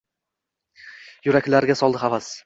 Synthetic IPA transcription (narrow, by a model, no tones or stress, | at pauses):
jʊɾakʲlaɾɡʲasɒlˠd̪ɪχavas